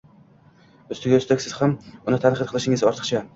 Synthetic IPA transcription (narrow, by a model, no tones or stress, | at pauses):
ʊst̪ɪɡʲaʊst̪akʲsɪz̥hamʊnɪt̪ʰanqʰɨt̪̚qʰɨlˠɪʃɪŋɪzɒɾt̪ʰɨ̥χt͡ʃʰa